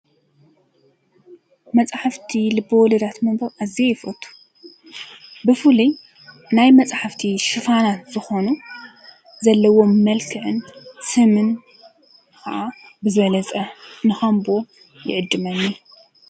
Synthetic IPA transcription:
mɐt͡sʼħaft̪ʰilɨbɨwlɐd̪at̪mɐmbɐɾʔaziejɪfɐ̰t̪ʰu̥ | bɨfɨli | najmɐt͡sʼħaft̪ʰiʃɨfanat̪zɨxo̞nu | zɐlːɐwo̞mːɐlkʰɨʕɨnsɨmɨn | kʰa̰ʔabɨzɨβɐlɐt͡sʼɐnɨxɐmbo | jɪ̰ʕɨd̪ːɨmɐnːi

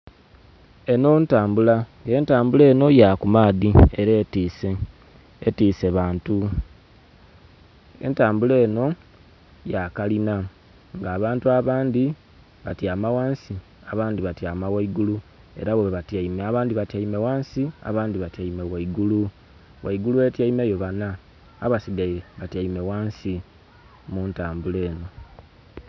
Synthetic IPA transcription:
e̞no̞ntaːmbulaŋe̞ːntaːmbule̞ːno̞jaːkumaːðieɾe̞ːtiːseː | tiːse̞βaːntu | e̞̰ntaːmbule̞ːno̞ | jakalina | ŋɡaːβaːntuaβaːndi | βatjamawaːnsi | aβaːndiβatjaːmawaiɡulu | e̞̰ɾaβweβeβataimeaβaːndiβatjaime̞waːnsia̰βaːndiβatjaimewaiɡulu | waiɡuluwe̞tjaimejo̞βanaː | βasiɡajeβataime̞waːnsi | muːntaːmbule̞ːno̞

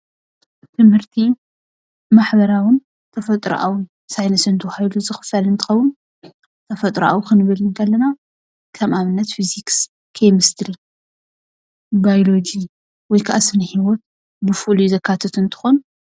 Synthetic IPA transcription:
t̪ʰɨmhɨɾt̪ʰi | maħbɐɾawɨn | t̪ʰɐfɐt̪ʼɾ̰ʔa̰w | sajnɐsɨnt̪ʰɐwhajluzɨxɨ̥fɐlɨnt̪ʰɨ̥xɐwːʊn | t̪ʰɐfɐt̪ʼɾʔa̰wukɨnɨβɨlɨnd̪ʰɐlːɐna | kʰɐmʔaβɨnːɐt̪fiziks | kʰejmɨst̪ʰɾi | bajolo̞d͡ʒi | wɔjkʰaʔasɨnɨhiwɔt̪̚ | bɨfuluzɐkʰːat̪ʰɐt̪ɨnt̪ʰɨ̥xon

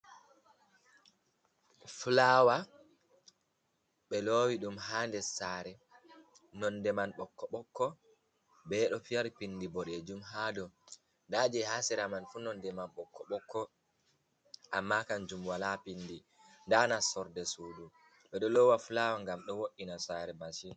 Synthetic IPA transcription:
fulawa | ɓɛlowiɗumɦaːndɛsaɾɛ | nɔndɛmanɓɔkːɔɓɔkːɔ | bɛɗɔfijaɾpindibɔɗɛd͡ʒumɦaːdɔ | ndaːd͡ʒɛhasɛɾamanfunɔndɛmanɓɔkʰːɔɓɔkːɔ | ʔamːakand͡ʒumwalapinːdi | ndanasɔɾdɛsuːdu | ɓɛɗɔlɔwafulawaŋɡamɗɔwoɗinasaːɾɛmasi

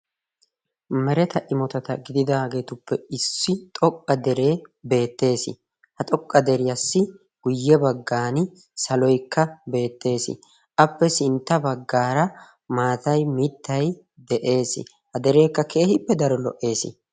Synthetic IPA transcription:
mɛɾɛt̪ɐʔɪmɔt̪ɐt̪ɐ̰ɡɪd̪ɪd̪aːɡe̞ːt̪ʊpːɛɪsːɪt̪ʼɔkʼːɐd̪ɛɾe̞ːbe̞ːt̪ːe̞ːsɪ̰ | hɐt̪ʼɔkʼːɐd̪ɛɾɪjɐsːɪ | ɡ̥ʊjːɛbɐɡːaːnɪ | sɐlɔjkːɐbe̞ːt̪ːe̞ːsɪ̰ | ʔɐpːɛsɪnt̪ːɐbɐɡːaːɾɐ | maːt̪ɐjmɪt̪ːɐj | d̪ɛʔe̞ːsɪ̰ | hɐd̪ɛɾe̞ːkːɐkʰe̞ːhɪpːɛd̪ɐɾɔlɔ̰ʔːe̞ːsɪ̰

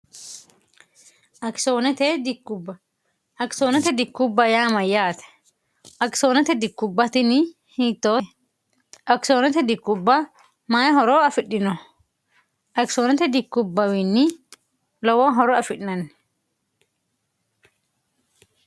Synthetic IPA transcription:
ʔɐksonɛt̪ɛd̪ɪkːʊbɐ | ʔɐksoːnɛt̪ɛd̪ɪkːʊbːɐjaːmɐjaːt̪ɛ̥ | ʔɐksoːnɛt̪ɛd̪ɪkːʊbːɐt̪ɪnɪ | hɪt̪ːoː | ʔɐksoːnɛt̪ɛd̪ɪkːʊbːɐ | maːjɐɦɔɾoɐfɪɗːɪnɔ | ʔɐksoːnɛt̪ɛd̪ɪkːʊbːɐwɪnːɪ | lɔwɐnɦɔɾɔɐfɪᶑnɐnː

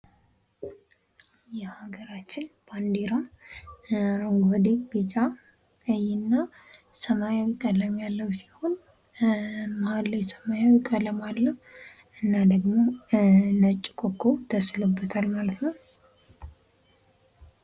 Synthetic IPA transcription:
jɛhaɡəɾat͡ʃːɪnb̥and̪eɾa | ɾoŋɡəd̪ebet͡ʃʼa | ɨjɪnːa | səmajawɪkʼːələmjalːəwsi̥ho̞n | maalːjɛsəmajawikʼələmalːəw | ʔɨnːad̪əɡmo̞ | nət͡ʃʼːkʼokʼʰːowt̪ʰəslubːət̪ʰalmalət̪nəw

